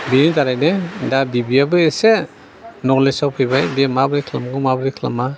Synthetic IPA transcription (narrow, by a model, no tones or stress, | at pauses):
binidaɾajnedabibiabɯese | nɔlesawpʰɯjbajbiamabɾikʰlamɡumabɾikʰla̰ma